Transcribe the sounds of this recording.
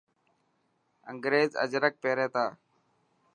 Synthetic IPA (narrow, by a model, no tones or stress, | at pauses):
əŋɡɾeːzə̰d͡ʒɾək̚peːɾeːt̪aː